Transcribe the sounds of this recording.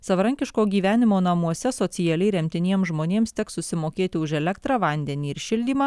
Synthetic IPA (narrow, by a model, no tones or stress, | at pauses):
sɐʋɐɾɐŋʲkʲɪʃkoːɡʲiːʋʲæːnʲɪmoːnɐmuɔsʲɛsoːsʲɪjɛlʲɛɪɾʲɛmʲt̪ʲɪnʲiɛmsʒmoːnʲeːmst̪ʲɛksʊsʲɪmoːkʲeːt̪ʲɪʊʒɛlʲɛkt̪ɾɑʋɐnʲd̪ʲɛnʲiːɪɾʃʲɪlʲd̪ʲiːmɑː